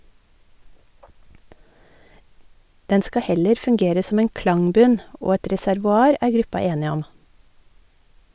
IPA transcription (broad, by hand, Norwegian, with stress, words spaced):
ˈdɛn ˈskɑ ˈhɛləɾ fʉŋˈɡeːɾə ˈsɔm ˈeːn ˈklɑŋˌbʉn ˈoː ˈɛʈ ɾɛsæɾʋʊˈɑːɾ ˈæːɾ ˈɡɾʉpɑ ˈeːnɪ ˈɔm